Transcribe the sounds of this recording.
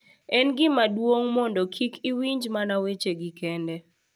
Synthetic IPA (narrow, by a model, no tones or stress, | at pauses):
ɛnɡɪmadwoŋmɔndɔkʰikiwiɲd͡ʒmanawet͡ʃeɡɪkɛndɛ